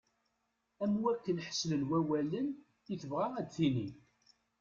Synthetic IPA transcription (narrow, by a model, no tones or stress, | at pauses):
æmːwækːənħə̥slənwæwælən | iθəvʁaæd̪θini